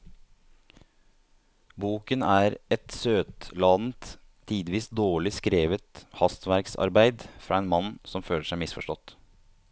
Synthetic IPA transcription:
buːkənæːɾɛt̪søːt̪lɑːd̪n̩t̪ʰː | iːd̪ʋiːsd̪oːɭɪskɾeːʋət̪hɑst̪ʋæɾksɑ̰ɾbæɪd̪fɾɑæɪnmɑnsɔmføːləʂæɪmɪsfɔʂʈɔt̪

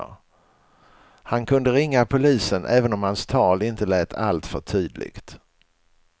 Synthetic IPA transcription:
hankʰɵnd̪əɾɪŋːapʰʊliːsənʔɛːvənɔmhanst̪ʰɑːlɪnt̪əlɛːt̪ʰa̰lt̪fœʈʰyːd̪lɪ̰ɡ̥t̪

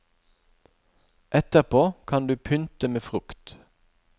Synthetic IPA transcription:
ʔɛt̪əʁpʰoːkʰɑnd̪ʉːpʰʏnt̪əmeːfʁʉkt̪

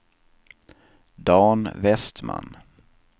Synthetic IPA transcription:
d̪ɑːnvɛst̪ma̰n

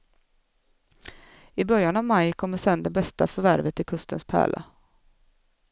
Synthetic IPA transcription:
ɪbœɾjanavmajkʰɔmːəsɛnd̪ɛbɛst̪afœɾvæɾvət̪ːɪlkʰɵst̪ə̰nspʰæ̰ːɭʔa̰

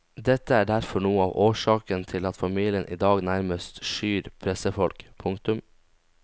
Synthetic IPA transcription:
d̪ɛt̪ːəæːɖæɾfɔɳuːəɑ̰ːʋʔoːʂɑːkənt̪ʰɪlɑt̪fɑmiːlɪənʔḭːd̪ɑːɡnæɾməst̪ʃyːɾpʰɾɛsəfɔlkpʰʊŋk̚t̪ʉm

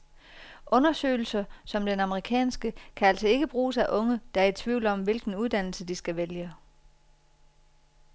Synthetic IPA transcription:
ʔɔ̽nɐsø̰ːɪl̩sɐsɒ̽md̥enɑ̈məʁikʰɛ̰ːnsɡ̥əkʰææl̰sɒ̽e̝ɡ̥əb̥ʁuːsæʔɔ̽ŋəd̥ɑ̈æɐe̝d̥t͡sʰʋiʊlɒ̽mʋe̝lɡ̥n̩uðˠd̥æn̰l̩səd̥isɡ̥æʋeljə

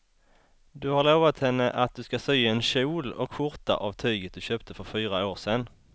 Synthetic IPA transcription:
d̪ʉhɑʁloːʋat̪hɛnːəʔɑt̪̚d̪ʉːskɑsœʏəeːnʃuːlɔ̰kfʊʁt̪a̰ʔɑːʋt̪ʰœʏɡət̪̚d̪ʉɕøːpt̪ʰəfɔʁfyːʁaoːʁseːnː

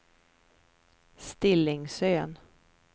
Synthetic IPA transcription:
st̪ɪlːɪŋsøːn

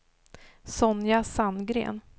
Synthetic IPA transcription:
sɔnjasanːɡɾḛːn

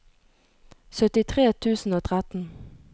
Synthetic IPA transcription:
sœt̪ɪt̪ʰʁeːt̪ʰʉːsn̩oːt̪ʰʁæt̪n̩

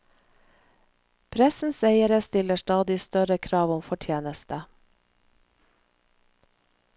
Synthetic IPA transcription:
pʰɾɛsn̩seɪəɾəst̪ɪləʃʈɑːd̪ɪst̪œɾəkʰɾɑːʋɔmfɔʈʰjeːnəst̪ə

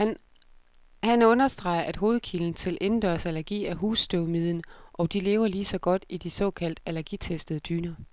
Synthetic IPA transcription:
hænɔ̽nɐsd̥ʁɑ̈ɪ̰ɐʔæd̥ɦo̝ːð̩ˠkʰiln̩t͡sʰe̝lʔe̝nd̥ɶɐ̰sælæɐɡ̥ḭːæɦuːsd̥øʊmið̞̰ˠn̩ʔɒ̽d̥ile̝ːʊɐliːsɒ̽ɡ̥ɒ̽d̥id̥isɒ̽ːkʰæl̰d̥ælæɐɡ̥it͡sʰesd̥əð̞̩ˠəd̥yːnɐ

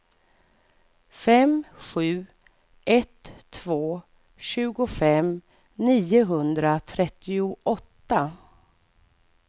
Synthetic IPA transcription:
fɛmɧʉ̟ː | ʔɛt̪ʰːvoː | ɕʉ̟ːɡʊfɛm | niːʊɦɵnd̪ɾat̪ʰɾɛt̪ːɪʊʔɔt̪ːa

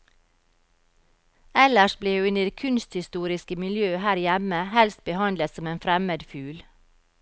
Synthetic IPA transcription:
ɛləʃbleːhʉːʉnəd̪eːkʰʉnst̪hɪst̪uːɾɪskəmɪljøːhæːɾjæməhɛlst̪̚bəhɑnd̪lət̪sɔmeːnfɾɛməd̪fʉːl

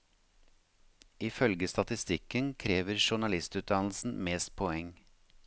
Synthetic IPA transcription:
ɪfœlɡəst̪ɑt̪ɪst̪ɪkənkʰɾeːʋəɾʃʊɳɑlɪst̪ʉːt̪̚d̪ɑnl̩sn̩meːst̪̚pʰɔɛŋ

